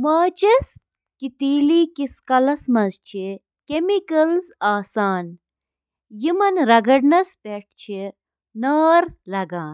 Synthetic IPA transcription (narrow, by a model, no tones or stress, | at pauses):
maːt͡ʃɐs | kit̪iːlikiskɐlɐsmɐzt͡ʃʰi | kemikɐlzaːsaːn | jimɐnɾɐɡɐɽnɐspeʈ̚ʰt͡ʃʰi | naːɾlɐɡaːn